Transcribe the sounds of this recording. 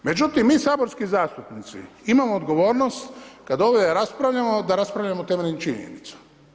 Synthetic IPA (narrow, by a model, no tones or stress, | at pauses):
me̞d͡ʒut̪imːiːsaːbo̞ɾskizaːst̪upnit̪sḭimamoːd̪ɡo̞ʋo̞ːɾnost̪kad̪oʋed̪aɾaspɾaʋʎʲamod̪aɾaspɾaʋʎamot̪emelʲnit͡ʃiɲḛnit̪sḁ